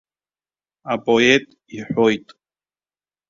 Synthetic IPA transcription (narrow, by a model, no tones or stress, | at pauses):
apojet̪ | iħojt̪